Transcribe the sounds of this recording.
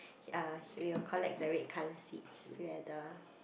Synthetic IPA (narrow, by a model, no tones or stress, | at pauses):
awiwkʰɔlɛ̰k̚dəɹet̚kʰaləsḭtsdɛdə